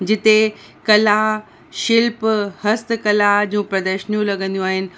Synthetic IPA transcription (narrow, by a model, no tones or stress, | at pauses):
d͡ʑɪt̪e | kɐla | ʃɪlphɐst̪kɐlad͡ʑũːpɾɐd̪əʃnijũlɐɡə̃nd̪ijũaːɦɪnɪ̆